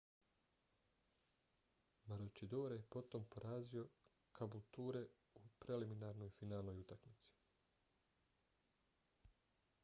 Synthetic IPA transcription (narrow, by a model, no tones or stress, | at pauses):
maɾot͡ʃid̪oːɾajepo̞t̪o̞mpo̞ɾʔaːzio̞ | kʰabulˠt̪uːɾe̞ | upɾe̞liminaɾno̞jfinaːlˠno̞jut̪akmit̪si̥